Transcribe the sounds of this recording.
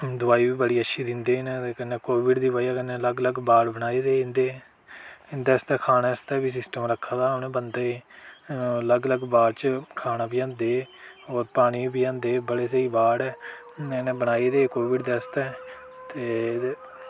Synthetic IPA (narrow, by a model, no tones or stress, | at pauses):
d̪ʊaːiːbiːbəɽiːətːʃʰiːd̪ɪ̃nd̪eːneːt̪ekənːeːkoːʋɪɖd̪iːbaːiaːkənːeːələɡləɡbaːɽbənaːiːd̪eːɪ̃nd̪eː | ɪnd̪eːəst̪ɛːkʰaːneːəst̪ɛːbiːs̬ɪsʈəmɾəkʰːaːd̪aːmnẽːbənd̪aːeː | ələɡələɡbaːɽt͡ʃkʰaːnaːbiːãːnd̪eː | oːɾpaːɽ̃iːbiːãːnd̪eːbəɽeːsəiːbaːɽɛː | nẽːbəñaːiːd̪eːkoːʋɪɖd̪eːəst̪ɛː | t̪eː